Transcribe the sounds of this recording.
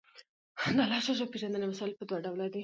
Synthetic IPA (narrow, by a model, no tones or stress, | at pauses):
d̪alɑʃoʒopeʒand̪ənemasɑlpəd̪waɖawlad̪i